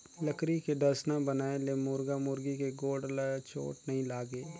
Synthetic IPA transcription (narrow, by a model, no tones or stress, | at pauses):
ləkɾikeɖɐɾsnabənaːelemʊɾɡamʊɾɡikeɡoːɖlt͡ʃʰo̰ːʈnɐɦĩlaːɡeː